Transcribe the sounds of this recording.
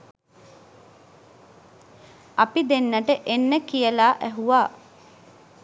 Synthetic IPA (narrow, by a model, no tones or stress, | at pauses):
apid̪enːəʈəʔenːəkijəlaːʔæɦuʋaː